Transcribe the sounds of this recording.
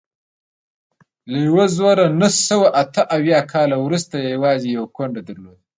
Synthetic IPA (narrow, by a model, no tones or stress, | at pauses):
lajwozwaɾanahsəwaʔat̪əʔawjɑkʰɑlawɾust̪ajjawɑzejawakwaɳɖad̪aɾlod̪̚